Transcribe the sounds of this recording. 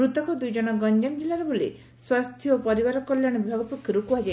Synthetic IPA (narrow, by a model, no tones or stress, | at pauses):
ɾut̪ɔkɔd̪ujd͡ʒɔñɔɡɔnd͡ʒɔmd͡ʒilːaɾɔbʱoli | swast̪ʰjɔopɔɾibaɾɔkɔljaɽ̃ɔbʱaɡɔpɔkʰjɔɾupuad͡ʒa